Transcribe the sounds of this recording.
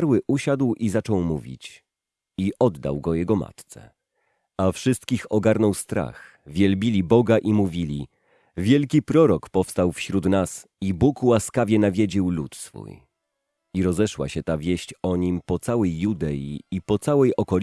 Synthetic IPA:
ɾwɘʔuɕad̪wizat͡ʂɔwmuvʲḭt͡ɕ | iʔɔd̪ːa̰wɡɔjɛɡɔma̰t̪t̪sɛ̰ | afʂɘst̪kʲixɔɡaɾnɔwst̪ɾa̰x | vʲjɛlbʲilʲibɔɡaʔimuvʲilʲi | vʲjɛlkʲipɾɔɾɔkpɔfst̪awfɕɾut̪nas | ibukwaskavʲjɛnavʲed͡ʑiwlṵt̪sfṵj | iɾɔzɛʂwa̰ɕɛt̪avʲjɛɕt͡ɕɔɲimpɔt̪sawɛjːud̪ɛjḭipɔt̪sawɛjʔɔkɔlʲ

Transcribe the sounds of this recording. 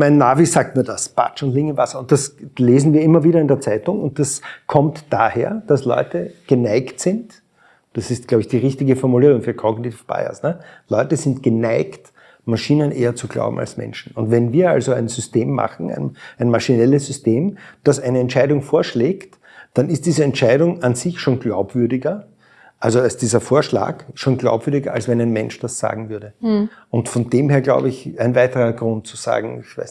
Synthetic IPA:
mæɪnːaːvisaːk̚tmiːɐdasb̥a̰t͡ʃʊntlɪŋəvasɐʊnt̚d̥asleːzn̩viːɐɪmːɐviːɾɐɪndeːɐt͡sæɪtʊŋʊ̰nt̚d̥askʰɔmtd̥aːheːɐd̥aslɔ̰ʏtəɡ̥ənæɪktsɪ̃nt | d̥asɪst̚ɡ̥laʊbɪçd̥iːʁɪçtɪɡəfɔɐmuliːʁʊŋfyːɐkʰɔɡnitifb̥a̰ɪɐ̰snəlɔʏtəzɪntɡ̥ənæɪkt | maʃiːnənʔḛːɐt͡suɡla̰ʊbm̩a̰lsmɛ̰nʃn̩ʊntvɛnviːɐa̰lzoæɪnzʏsteːmːa̰χn̩æ̰ɪnæɪnmaʃinɛləszʏsteːmd̥asæɪnəɛntt͡ʃæɪdʊŋfoːɐʃleːkt | d̥anɪstd̥iːzəɛntʃæɪɾʊŋanzɪçʃoːnɡla̰ʊpv̥ʏɐdɪɡɐ | ʔalzoasd̥iːzɐfoːɐʃla̰ːkʃoːnɡla̰ʊpvʏɐɾɪɡɐalsvɛnæɪnmɛnʃd̥asz̥a̰ːɡŋ̩vʏɐɾəʊntfɔndeːmheːɐɡla̰ʊbəɪçæɪnvæɪtəʁɐɡʁʊ̃nt̚t͡suza̰ːɡŋ̩ɪçv̥ɛ̰ɪs

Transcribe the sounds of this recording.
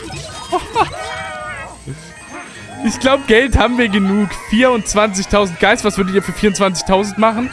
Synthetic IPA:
ʔɪçɡ̥laʊbəɡɛlthaːbm̩viːɐɡənuːkfiːɐʊnt̚t͡sv̥ant͡sɪçtʰaʊzn̩t̚ɡ̥aɪsv̥asv̥ʏɐdətiːɐfyːɐfiːɐʊntt͡sv̥ant͡sɪ̥çtʰaʊzn̩tmaχn̩

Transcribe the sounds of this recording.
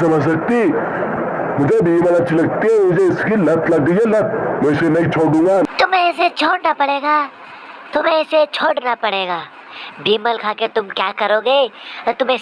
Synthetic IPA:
sɐməd͡ʑsəɡ̚t̪iː | mʊd͡ʒʱebiːməlat͡ʃilɐɡ̚t̪iɛmʊd͡ʒʱeɪskilɐt̪laɡ̚ɡ̪əjɛlət̪̚mɛ̃senɐit͡ʃʰoɽũːŋɡat̪ʊmẽset͡ʃʰoːɽnapɐɽeːɡaː | t̪ʊmẽset͡ʃʰoːɽnapɐɽeːɡaː | biːməlkʰaːket̪ʊmkja̰ːkɐɾoːɡeːt̪ʊmẽ

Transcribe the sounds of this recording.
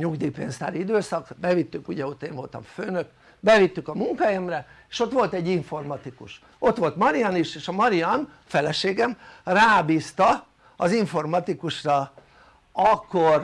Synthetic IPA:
ɲuɡd̪iːpḛːnst̪a̰ːɾiid̪øːsɒkbɛvit̪ːykuɟɛo̞t̪ːeːɱvo̞lt̪ɒ̰mføːnøk | bɛvit̪ːykɒmuŋkajɛmrɛeːʃo̞t̪ʋo̞lt̪ɛɟːiɱfo̞rmɒt̪ikṵʃ | o̞t̪ʋo̞lt̪mɒɾiɒniʃeːʃɒmɒɾiɒm | fɛlɛʃeːɡɛmraːbiːst̪ɒ | ɒziɱfo̞rmɒt̪ikuʃrɒ | ɒkːor

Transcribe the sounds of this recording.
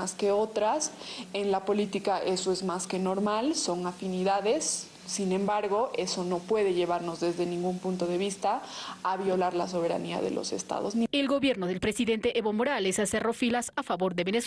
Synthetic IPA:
askeo̞t̪ɾas | e̞nlapo̞lit̪ikaʔe̞so̞ezmaske̞no̞ɾmalso̞ŋafiniðaðe̞sː | inẽ̞mbaɾɣo̞ʔeso̞no̞pwe̞ðe̞ʝe̞βaɾno̞zðe̞zðe̞nĩŋɡumpunt̪o̞ðe̞βist̪aːβjo̞laɾlas̬o̞β̞e̞ɾa̰nia̰ðe̞̰lʔo̞̰se̞̰st̪a̰ðo̞znie̞lɣo̞βje̞ɾnoðe̞lpɾesiðe̞nt̪eʔeβo̞mo̞ɾale̞sasero̞filasafaβo̞ɾðe̞βenes

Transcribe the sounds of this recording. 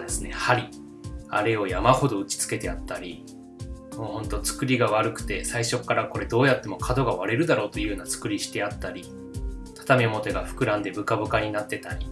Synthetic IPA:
d̪e̞sɨne̞̰haɾʲi | a̰ɾe̞o̞jamaho̞d̪o̞ɯ̟t͡ɕi̥t͡sɨ̥ke̞t̪e̞at̪ːaɾʲi | moːhõ̞nt̪o̞t͡sɨ̥kɯ̟ɾʲiɡaβ̞aɾɯ̟kɯ̟̥t̪e̞saiɕo̞kːaɾako̞ɾe̞d̪o̞ːjat̪ːe̞mo̞kʰad̪o̞ɡaβaɾe̞ɾɯ̟d̪aɾo̞ːt̪o̞jɯːnat͡sɨ̥kɯ̟ɾʲiɕi̥t̪e̞at̪ːaɾʲi | t̪ʰḁt̪ame̞mo̞t̪e̞ɡaɸɯ̥kɯ̟ɾãnd̪e̞bɯ̟kabɯ̟kaɲ̟inat̪ːe̞t̪aɾʲi

